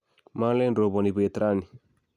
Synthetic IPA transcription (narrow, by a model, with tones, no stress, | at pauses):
ma˦lɛ˦ndɾo˨βɔ˨ni˨bu˨e˨t̪ɾa˦ni˨